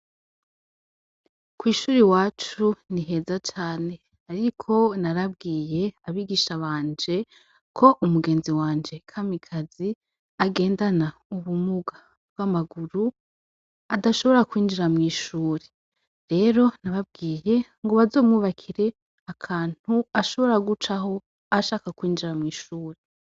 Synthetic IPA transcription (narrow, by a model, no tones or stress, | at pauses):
kwiːʃuːɾiwaːt͡ʃuniɦe̞zat͡ʃaːne̞ | aɾikʰo̞naɾabɡiːje̞aβiɡiːʃaβaːnd͡ʒe̞ | kʰo̞ʔumuɡe̞ːnziwaːnd͡ʒe̞kʰamikʰazi | aɡe̞ːndanauβumuɡa | bɡ̥amaɡuɾu | adaʃo̞βo̞ɾakwiːnd͡ʒiɾamŋiːʃuːɾe | ɾe̞ɾo̞naβab̚ɡiːje̞ | ŋɡo̞βazo̞ːmŋuβakʰiɾe̞ | akʰaːn̥huaʃo̞βo̞ɾaɡut͡ʃaɦo̞ | aʃaːkakwiːnd͡ʒiɾamŋiːʃuːɾe